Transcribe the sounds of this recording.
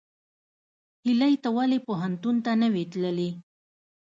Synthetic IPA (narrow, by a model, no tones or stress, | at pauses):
hilajt̪awalepoɦant̪unt̪anəwit̪ləli